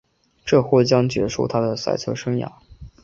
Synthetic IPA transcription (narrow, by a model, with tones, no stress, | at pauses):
ʈ͡ʂɤ˥˧xwɔ˥˩t͡ɕjɑ˥ŋt͡ɕɥɛ̰˧˥ʂṵ˥˩t̪ʰa˥d̪ə˨sa̰˥˧ɪt͡sʰɤ˥ʂɤ˥ŋja̰˨˩˦